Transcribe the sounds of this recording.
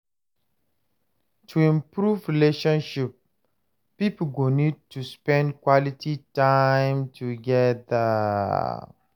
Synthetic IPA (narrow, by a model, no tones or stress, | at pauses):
tʰuĩmpɹuvɹileʃɔ̃nʃip̚ | pipoɡonid̚tuspɛ̃ndkwɔlititaɪ̃mtʰuɡɛðə